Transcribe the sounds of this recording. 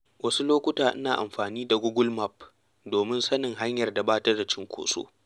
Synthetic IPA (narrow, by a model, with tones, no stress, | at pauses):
wʔɐ˦su˦loː˦kʷʊ˦taː˨ʔɪ˦naː˨ʔa̰˨mɸaː˨niː˦da˨ɡʷʊ˦ɡʷʊ˦lma˦p | doː˨mɪ˦nsɐ˦nɪ˨ŋɦa˦ɲjɐ˨rda˨baː˦tɐ˦rda˨t͡ʃɪ˦ŋkʷo̰ː˨so̰ː˦